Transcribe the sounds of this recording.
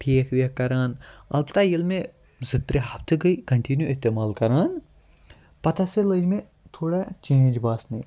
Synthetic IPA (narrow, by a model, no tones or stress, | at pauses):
ʈʰeːkʰʋekɐɾaːnɐ̰bt̪aːjilmẽ | zɪt̪ɾeɦɐpt̪ʰɡɐikɐɳʈinjuɪst̪eːmaːlkɐɾaːn | pɐt̪aselɐd͡ʒmẽ | t̪ʰoːɽat͡ʃẽːnd͡ʒbaːsnɐ